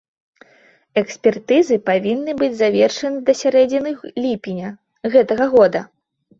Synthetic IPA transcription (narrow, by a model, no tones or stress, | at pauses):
ɛksʲpʲɛrt̪ɨzɨpavʲinːɨbɨd͡zʲzavʲɛrʂɐnɨd̪ɐsʲaɾɛd͡zʲinɨxlʲipʲinʲɐ | ɣɛt̪ɐɣɐɣɔd̪ɐ̰